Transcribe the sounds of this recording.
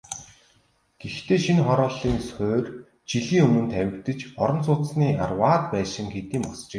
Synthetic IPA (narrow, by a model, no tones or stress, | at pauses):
ɡ̥ext̪ʰeːʃinχɔɾɔːɮiːŋsxoːr | t͡ɕiɮiːŋɵmɵ̆nt̪ʰæwʲɪ̆kt̪ɘ̆t͡ɕɔɾɞ̆nsʊːt̪sniːa̰rwaːt̪pæːʃɪ̆ŋxet̪iːmpɔst͡ɕĕː